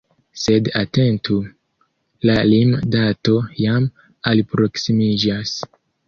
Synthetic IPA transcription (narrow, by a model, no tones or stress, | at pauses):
se̞date̞ntu | lalimdato̞jam | alpɾo̞ksimid͡ʒas